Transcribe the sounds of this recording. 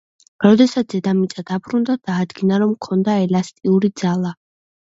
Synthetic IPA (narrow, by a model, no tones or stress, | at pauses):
ɾɔd̪ɛsat̪sz̥ɛd̪amit̪sʼad̪abɾund̪ad̪̥aːd̪ɡinaɾɔmkʰɔnd̪aɛlast̪ʼiuɾid̪zalˠa